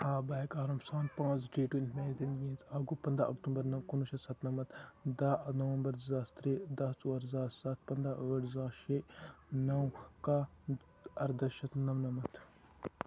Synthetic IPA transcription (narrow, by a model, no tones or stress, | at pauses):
aːbɐekaːɾumsãːnpãːt͡sɖeːʈuint̪meːnzend̪ɡĩːnzaːɡupɐnd̪ɾa̰ʔɐ̰kt̪umbɐɾnɐwkunuʃɐsɐt̪nɐmɐt̪d̪anɐʋɐmbɐɾzast̪ɾeːd̪ɐsuwɐɾzaːsɐt̪̚pɐnd̪ɾaʔʋɐʈzaːʃenɐwka | ɐɾd̪ɐʃɐt̪nɐʋnɐmɐt̪ʰ